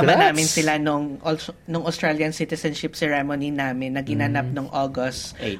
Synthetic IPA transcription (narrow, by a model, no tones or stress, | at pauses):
ʔɐbanaːmɪnsɪlanʊŋʔonʊŋʔɐost̪ɹaljɐnsit̪ɛsɐnʃɪp̚sɛɹɛmoninaːmɪnːɐɡɪnanap̚noŋʔoːɡost̪